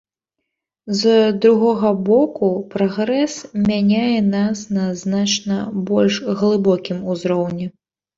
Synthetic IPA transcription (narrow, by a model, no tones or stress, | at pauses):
zd̪ɾuɣɔɣɐbɔkupɾɔɣɾɛsmʲanʲajɛnasnɐznat͡ʂnɐbɔlʲʂɣlˠɨbɔkʲimuzɾɔwnʲɛ